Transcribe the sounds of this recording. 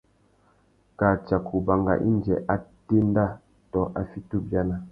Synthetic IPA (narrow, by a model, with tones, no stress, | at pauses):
ka˨t͡ʃa˨kʰu˨ba˨ŋɡa̰˨ʔḭ˦nd͡ʒɛ̰˨ʔa˦te˦n˦da˦˨ | tɔ˨ʔa˦fi˦tu˦bja˦na˦